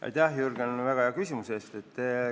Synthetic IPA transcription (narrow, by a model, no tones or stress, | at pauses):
ʔɑ̰jt̪ɑhjurɡ̥envæɡ̥ɑeɑkysʲimuse̞ːst̪et̪ːe